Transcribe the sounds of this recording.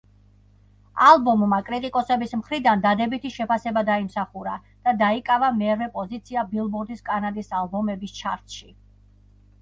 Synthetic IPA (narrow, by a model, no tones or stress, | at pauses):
alˠbɔmːakʼɾit̪ʼikʼɔsɛbismχɾid̪and̪ad̪ɛbit̪ʰiʃɛpasɛbad̪aimsaχuɾa | d̪̥ad̪aikʼavamɛɾvɛpʼɔzit̪sʰiabilˠbɔɾd̪iskʼanad̪isalˠbɔmɛbist͡ʃʰa̰ɾt̪ʃi